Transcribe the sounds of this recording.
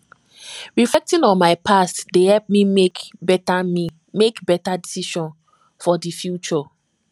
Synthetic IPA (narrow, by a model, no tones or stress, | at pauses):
ɹiflɛk̚tĩnɔ̃nmaɪpʰastdehɛlp̚miekbɛtami | mekbɛtadisiʃɔ̃n | fɔdifjut͡ʃɔ